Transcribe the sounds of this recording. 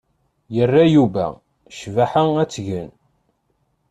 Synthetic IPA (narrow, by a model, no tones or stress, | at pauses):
jərːajuvæ̰ | ʃvaħəæt͡sːʝən